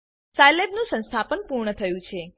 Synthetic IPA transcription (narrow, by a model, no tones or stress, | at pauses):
sajlebnũsə̃nst̪ʰapənpuɾɳət̪ʰəjũt͡ʃʰe